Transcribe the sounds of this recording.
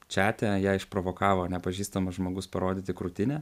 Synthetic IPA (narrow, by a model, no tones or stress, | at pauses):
t͡ʃʲæːt̪ʲɛjæːɪʃpɾoːʋoːkɑːʋoːnʲɛpɐʒʲiːst̪ɐmɐʒmoːɡʊspɐɾoːd̪ʲɪt̪ʲɪkɾʊt̪ʲɪnʲɛ